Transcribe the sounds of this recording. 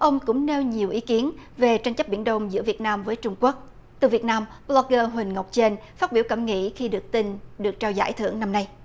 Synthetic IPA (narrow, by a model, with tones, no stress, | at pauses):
ʔə˧wŋ͡mkʊ̰˧˥ŋ͡mne˧wɲi˨˩əwʔi˨˦ki˨˦ənve˨˩t͡ɕa˧jŋ̟t͡ɕə˦˥p̚ɓi˧˩ənɗə˧wŋ͡mzɨ̰˧˥vi˨˩ət̚naː˧mvəː˨˦jt͡ɕʊ˧ŋ͡mku˦˥ək̚ | t̪ɨ˨˩vi˨˩ət̚naː˧m | ɓlɔ˧k̚ɣəː˧ɦwï˨˩ŋ̟ŋə˨˩k͡p̚t͡ɕe˧nfaː˦˥t̚ɓi˧˩əwkə˧˩mŋḭ˧˥xi˧ɗɨ˨˩ək̚t̪i˧nɗɨ˨˩ək̚t͡ɕaː˧wza̰ː˧˥jt̪ʰɨ˧˩əŋna˧mna˧j